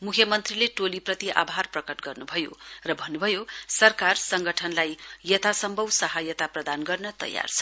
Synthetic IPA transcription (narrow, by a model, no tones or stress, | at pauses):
mukʰjʌmʌnt̪rileʈoliprʌt̪iʔa̰bʱarprʌkʌʈɡʌrnubʱʌjo̰rʌbʱʌnːubʱʌjosʌrkarsʌŋɡʱʌʈʰʌnlajjʌt̪ʰasʌmbʱʌwsʌɦajʌt̪aprʌd̪anɡʌrnʌt̪ʌ̰ja̰rt͡sʰʌ̥